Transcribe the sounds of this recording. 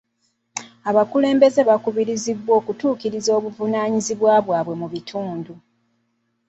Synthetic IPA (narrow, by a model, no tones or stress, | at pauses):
aβakule̞ːmbe̞ze̞βakuβiɾizibːwo̞ːkutuːkiɾizo̞ːβuvunaːɲiziβwaːβwaːβwe̞muβitʰuːndu